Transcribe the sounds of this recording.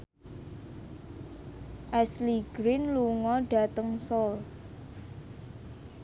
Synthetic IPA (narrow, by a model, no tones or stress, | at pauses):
ʔɛsliɡ̥ɾinluŋɔɖ̥a̤t̪əŋsɔl